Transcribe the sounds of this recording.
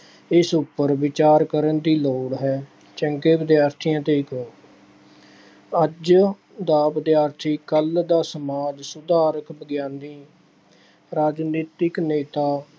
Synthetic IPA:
ɪsʊpːəɾʋɪt͡ʃaːɾkəɾənd̪iːloːɽɦɛː | t͡ʃəŋkeːʋɪd̪ɪjaːɾt̪ʰijãːt̪eːɪkoː | əd͡ʒ | d̪aːʋɪd̪jaːɾt̪ʰiːkəld̪aːsəmaːd͡ʒsʊd̪aːɾəkbəɡjãːnd̪ĩː | ɾaːd͡ʒniːt̪ɪkneːt̪aː

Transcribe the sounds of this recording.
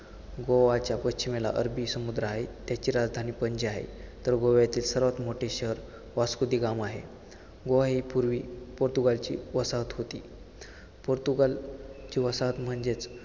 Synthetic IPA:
ɡoʋat͡ɕjapəst͡ɕimela̰ʔəɾbisəmud̪ɾəaɦet̪jat͡ɕiːɾad͡zd̪ʱaniːpəɲd͡ʑeaɦḛt̪əɾɡoʋjat̪iːlsəɾʋat̪moʈʰeɕəɦəɾ | ʋaskud̪iːɡamaɦe | ɡoʋaɦipuɾʋiːpoɾt̪uɡalt͡ɕḭːʋəsaɦət̪ɦot̪iː | poɾt̪uɡalt͡ɕiːʋəsaɦət̪m̤əɳd͡ʑet͡s

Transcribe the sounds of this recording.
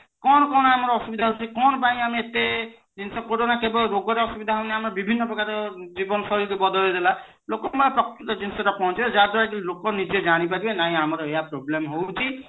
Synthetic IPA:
kɔnkɔnamɔɹɔsubid̪ʱaɦot͡ʃʰikɔnpaɦĩamiete | zinsɔkoɾonakebɔlɾoɡɔɾɛɔsubid̪ʱaɦonɛamaɹbibʱinːɔpɔkaɾɔzibɔnsɔɾikojbɔd̪ɔlɔdɛla | lokɔmapɹɔktɔzinsɔtapɔɔ̃t͡ʃiɛzaɹd̪ɔɹak̬ilokɔɹnid͡ʒɔzañipadibɛnaĩamaɾɔejapɾoblemɦowt͡ʃʰi

